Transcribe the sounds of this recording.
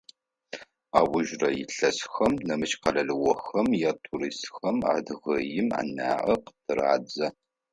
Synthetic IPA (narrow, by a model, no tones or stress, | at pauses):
aːwʊʒrɐjɪɬɐsxɐmnɐmɨʃqɐɮɐɮɨwɔxɐmjaːtʰuɾiːstxɐma̰ːdʁɐjɪma̰ːna̰ːʔɐqə̥tʰɨra̰ːd͡zɐ